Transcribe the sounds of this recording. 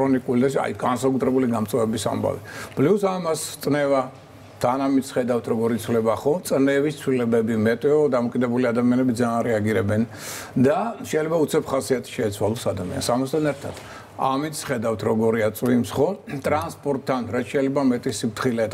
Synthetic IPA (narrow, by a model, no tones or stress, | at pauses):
ɾɔnikʼulid̪aa̰jɡansakʼut̪ʰɾɛbuliɡamt̪sʼɔvɛbisa̰mba̰vḭb̥lisamast̪ʼnɛva | t̪ʰanamit̪sχɛd̪avt̪ʰɾɔɡɔɾit̪sʰwlɛbaχɔt̪sʼnɛvist̪sʰwilɛbɛbimɛt̪ʼɛɔd̪amɔkʼid̪ɛbuliad̪amianɛbid̪zaːnɾɛaɡiɾɛbɛn | d̪aʃɛjlɛbaut̪sʰɛpχasiat̪ʰi̥ʃɛːt̪sʰwalˠɔsad̪amḭa̰nsamast̪ʰanɛɾt̪ʰad̪̥ | amit̪sʰχɛd̪avt̪ʰɾɔɡɔɾiat̪sʼwimsχɔt̪ʼɾanspʼɔɾt̪ʰːanɾat̪ʃɛjlɛbamɛt̪ʼisipt̪ʰχilɛt̪